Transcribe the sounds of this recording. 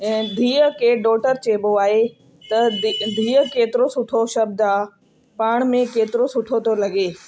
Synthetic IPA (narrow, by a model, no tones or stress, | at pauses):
ɛ̃ːd̪ʱiːəkʰeːɖɔːʈəɾt͡ɕeːboaːɦe | t̪ɐd̪ʱiːəkeːt̪ɪɾosʊʈʰoʃɐb̚d̪aː | paːɽ̃mẽkeːt̪ɪɾosʊʈʰot̪ʰolɐɡeː